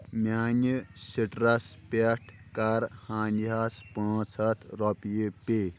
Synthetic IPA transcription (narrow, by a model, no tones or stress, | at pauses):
mʲaːnisiʈɾɐspeʈʰkaɾhãːniɦaspɳɔ̃t͡sʰɐt̪ʰɾɔpjipe